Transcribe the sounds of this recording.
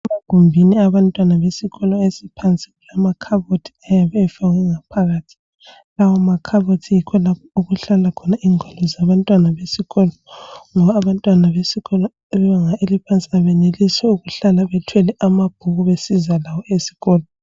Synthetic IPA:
ɛmaɡ̥ʱumbʱiniaβantʼwanaβesiɣɔlɔesipʰant͡sʼi̥ɣulamakʰaβotʰi̥ajaβɛɛfaɣwɛŋapʰaɣaːtʰi̥ | lawɔmakʰaβotʰijikʰɔlapʰɔuɣuɬalakʰɔnaiŋʱɔlɔzaβantʼwanaβesiɣɔlɔŋɔβaːβantʼwanaβesiɣɔlɔ | ɛβɛβaŋaelipʰant͡sʼiaβɛneliswɛuɣuɬalaβɛtʰwɛlɛʔamab̥ʱuɣuβesizalawɔesi̥ɣɔːlɔ

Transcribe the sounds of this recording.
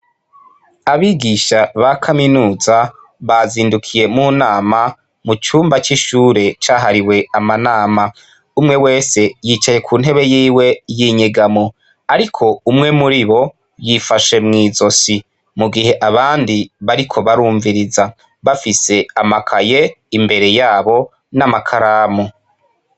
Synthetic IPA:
aβiɡiʃaβakʰaminuːza | βaziːndukʰije̞muːnaːma | mut͡ʃuːmbat͡ʃiʃuːɾe̞t͡ʃaːɦaɾiwe̞amanaːma | umŋe̞we̞ːse̞jiːt͡ʃaje̞kʰuːn̥ɦe̞βe̞jiːwe̞jiɲiɡamo̞ | aɾikʰo̞umŋe̞muɾiβo̞ | jifaʃe̞mŋiːzo̞si | muɡihe̞ʔaβaːndiβaɾikʰo̞βaɾuːɱviɾiza | βafise̞amakʰaje̞imbe̞ɾe̞jaːβo̞ | namakʰaɾaːmo

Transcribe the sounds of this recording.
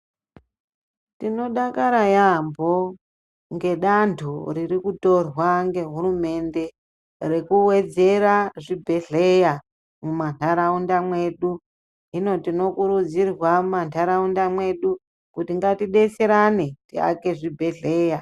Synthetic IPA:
tino̞ɗakaɾajambo̞ | ŋɡe̞ɗantʰuririkuto̞rwaŋɡe̞ɦuɾume̞nde̞ | re̞kuwe̞d͡ze̞ɾaʐibʱe̞ɮe̞ja | mumantʰaɾaundamwe̞ɗu | ɦino̞tino̞kuɾud͡zirwamantʰaɾaundamwe̞ɗu | kutiŋɡatiɗe̞seɾanetia̰ke̞ʐibʱe̞ɮe̞ja

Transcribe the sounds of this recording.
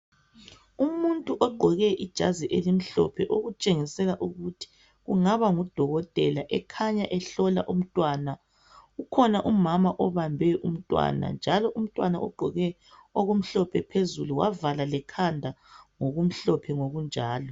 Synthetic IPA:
umuntʼuʔɔɡ͡ǃʱɔɣɛʔid̥ʒ̥ʱa̰ziʔelim̩ɬɔ̰pʰɛʔoɣut͡ʃʼeŋisɛlaʔuɣutʰi̥ | ɣuŋaβaŋud̥ʱɔɣɔtʼɛ̰laʔɛkʰaɲaʔɛɬɔla̰ʔum̩tʼwana | ukʰɔnaʔumamaʔɔβambʱɛʔum̩tʼwa̰na̰nd͡ʒʱalɔʔum̩tʼwanaʔɔɡ͡ǃʱɔɣɛ | oɣum̩ɬɔpʰɛpʰezuluwa̰valalɛkʰandʱaŋoɣum̩ɬɔpʰɛŋoɣund͡ʒʱaːlɔ

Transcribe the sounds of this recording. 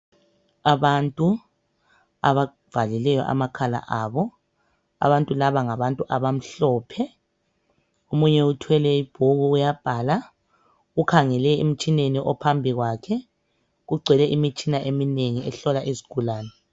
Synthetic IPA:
aβantʼu | a̰βa | v̥alilɛjɔ̰ʔa̰makʰala̰ʔaːβɔ | a̰βantʼulaβaŋaβantʼuʔaβam̩ɬɔːpʰɛ | omuɲɛutʰwɛlɛib̥ʱoɣuujab̥ʱaːla | ɣukʰaŋɛlɛem̩t͡ʃʼineniʔɔpʰambʱiɣwakʰɛ | ɣuɡ͡ǀʱɛlɛʔimit͡ʃʰʼinaʔemineŋiɛɬɔlaʔezi̥ɡ̥ʱulaːnɛ

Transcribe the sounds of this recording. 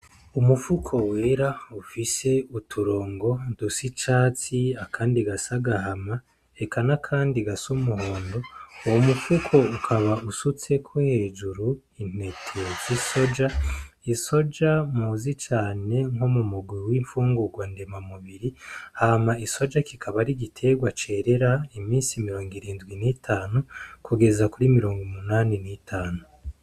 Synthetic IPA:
umufukʰo̞weːɾaufise̞utʰuɾo̞ːŋɡo̞dusit͡ʃaːt͡siakʰaːndiɡasaɡahama | e̞kanakʰaːndiɡasumuɦo̞ːndo̞womufukʰo̞ukʰaβausut͡se̞kʰohe̞ːd͡ʒuɾu | in̥e̞tʰeziso̞d͡ʒaiso̞d͡ʒamuːzit͡ʃaːne̞ŋomumuɡwiwiɱfuːŋɡuɡwandemamuβiɾihaːmaiso̞d͡ʒakikʰaβaɾiɡitʰe̞ɡwat͡ʃe̞ɾe̞ɾaimiːnsimiɾo̞ːŋɡiɾiːndɡwinitʰaːnukuɡe̞zakuɾimiɾo̞ːŋɡumunaninitʰaːnu

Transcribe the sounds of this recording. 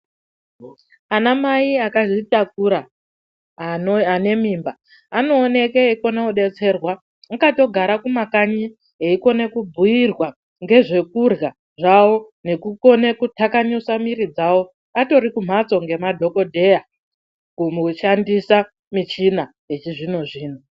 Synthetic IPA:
anamaiakaʐitak̚uɾa | ane̞mimba | ano̞ːne̞keiko̞nauɗe̞t͡se̞rwa | akato̞ɡʱaɾakumakaɲi | ɦeiko̞nekubʱujirwa | ŋɡe̞ʐe̞kurɣa | ʐawo̞ | ne̞kuko̞ne̞kutakaɲusamiɾid͡zawo̞ | ato̞ɾikum̤at͡so̞ŋɡe̞madʱo̞ko̞dʱe̞ja | kumuʃandisa | mit͡ʃina | ɦet͡ʃiʐinoʐiːn̤o

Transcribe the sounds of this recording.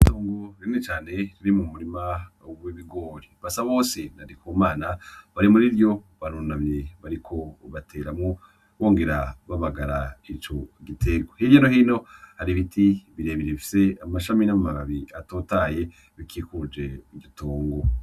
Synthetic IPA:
itoːŋɡoɾinet͡ʃaːne̞ɾiɾimumuɾima | uwiβiɡo̞ːɾiβasaβoːsenaɾikʰuːmaːnaβaɾimuɾiɾjo̞βaɾunaβje̞βaɾikʰo̞βatʰe̞ːɾamŋo | βo̞ːŋɡe̞ɾaβaβaɡaɾait͡ʃo̞ɡitʰe̞ɡwohijonohino̞haɾiβitʰiβiɾe̞ːβiɾeβifi̥se̞amaʃaminamumaβaβiatoːtaːje̞ | βikʰikud͡ʒe̞iɟotoːŋɡo

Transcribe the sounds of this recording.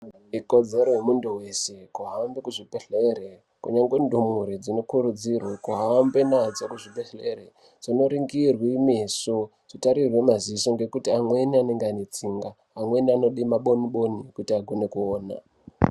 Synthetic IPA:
iko̞d͡ze̞ɾojemunduwe̞se̞kuɦambekuʐipeɬeɾe | kuɲaŋɡwendumuɾid͡zino̞kuɾud͡zirwakuɦambenad͡zakuʐipeɬeɾe | d͡zino̞ɾiŋɡirwimeso | ʐ̥itaɾirwe̞mazisoŋɡe̞kutiamwe̞niane̞ŋɡeanet͡siːŋɡaːmweniano̞ɗimaɓo̞niɓo̞nikutiaɡʱo̞ne̞kuoːna̰

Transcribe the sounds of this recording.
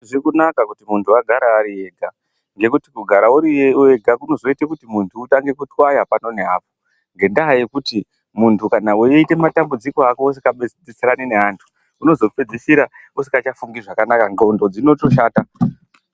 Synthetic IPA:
ʐikunakakutimuntʰuaɡʱaɾaːɾie̞ːɡʱa | ŋɡe̞kutikuɡʱaɾauɾieɡʱakuno̞zo̞itekutimuntʰuːtaŋɡe̞kutwajapano̞ne̞ɦaːpo̞ | ŋɡe̞ndaɦajekuti | muntʰukanawejeite̞matambud͡ziko̞akoːsikaɓd͡zit͡seɾanine̞ɦantʰu̥ː | no̞zo̞pe̞d͡zisiɾa | usi̥kat͡ʃafuŋɡiʐakanakaŋɡondo̞d͡zino̞to̞ʃaːta

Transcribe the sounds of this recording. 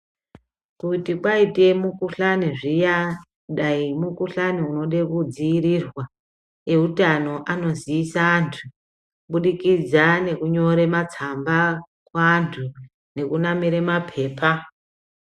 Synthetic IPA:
kutikwaite̞mukuɬaniʐija | ɗaimukuɬaniuno̞ɗe̞kud͡ziirirwa | e̞utano̞ʔano̞ziːsaːntʰu | ɓuɗikid͡zane̞kuɲo̞ɾe̞mat͡samba | kwaːntʰu | ne̞kunamiɾe̞mapʰe̞ːpʰa

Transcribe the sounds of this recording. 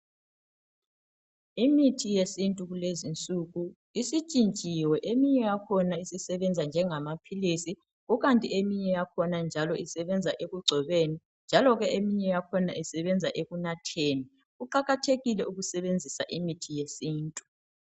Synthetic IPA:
imitʰijesintʼuɣulezint͡sʼuɣu | isit͡ʃʼint͡ʃʼiwɛʔemiɲɛjakʰɔnaisisɛβɛnd͡zʱand͡ʒʱɛŋamapʰilisi | ɣuɣantʼiemiɲɛjakʰɔnand͡ʒʱalɔisɛβɛnd͡zʱaʔeɣuɡ͡ǀʱɛβeni | nd͡ʒʱalɔɣɛʔemiɲɛjakʰɔna̰ʔisɛβɛnd͡zʱaʔeɣunatʰeːni | uǃaɣatʰeɣilɛuɣusɛβend͡zʱisaʔimitʰijesiːntʼu̥

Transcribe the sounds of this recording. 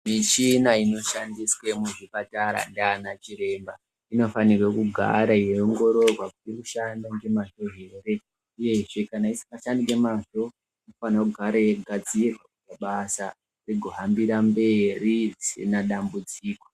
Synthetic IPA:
miʃinaino̞ʃandiswemuʐipataɾa̰ndaːnat͡ʃiɾe̞ːmba | ino̞fanirwekuɡʱa̰ɾajeoŋɡo̞ɾo̞rwakutiruʃandoŋɡe̞maʐo̞ɦe̞ːre̞ | uje̞ʐe̞kanaisikaʃandiŋɡe̞maʐo̞ | inofanakuɡʱaɾeɡʱad͡zierakuaɓasa | riɡʱo̞ɦambiɾambe̞rid͡zisḭnaɗambud͡ziːko̥

